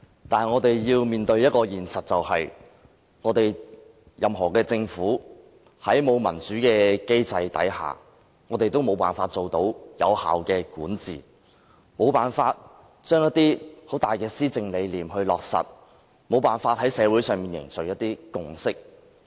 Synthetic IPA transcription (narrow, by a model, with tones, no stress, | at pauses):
t̪aː˨ŋɔː˨˧t̪e˨jjiː˧wmiː˨nt̪ɵ˧ɥjɐ˥t̚kɔː˧jiː˨˩nsɐ˨t̚t͡sɐ˨whɐ˨j | ŋɔː˨˧t̪e˨j | jɐ˨mɦɔ̰ː˨˩kɛː˧t͡sɪ˧ŋfuː˨˥ | hɐ˨˥jmo˨˧wmɐ̰˨˩nt͡ʃyː˨˥kɛː˧ke˥jt͡sɐ˧jt̪ɐ̰˨˥jha̰ː˨˩ | ŋɔː˨˧t̪e˨jt̪o˥wmo˨˧wpa̰ː˨nfaː˧t̚t͡so˨wt̪o˨˥wjɐ̰˨˧wha̰ː˨wkɛː˧kuː˨˥nt͡sḭː˨˩ | mo˨˧wpaː˨nfaː˧t̚ | t͡ʃœː˥ŋjɐ˥t̚t̪iː˥ho˨˥t̪aː˨jkɛː˧siː˥t͡sɪ˧ŋle˨˧jliː˨mɦɵ˧ɥlɔ̰ː˨k̚sɐ̰˨t̚ | mo˨˧wpaː˨nfaː˧t̚hɐ˨˥jsɛː˨˧wuː˨˥sœː˨˧ŋmiː˨njɪ̰˨˩ŋsɵ˨k̚jɐ˥t̚t̪iː˥kʊ˨˩ŋsɪ˥k̚